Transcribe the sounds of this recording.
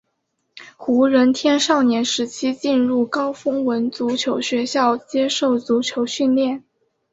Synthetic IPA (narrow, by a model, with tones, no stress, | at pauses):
xu˧˥ɻə˧˥nt̪ʰjɛ˥nʂɑ˥˩ʊnjɛ˧˥nʂɻ̩˧˥t͡ɕʰi˥t͡ɕi˥˧nɻu˥˩kɑ˥ʊfɤ˥ŋwə˧˥nt͡su˧˥t͡ɕʰjo˧˥ʊɕɥɛ˧˥ɕjɑ˥˩ʊt͡ɕjɛ˥ʂo˥˩ʊt͡su˧˥t͡ɕʰjo˧˥ʊɕy˥˧nljɛ˥˩n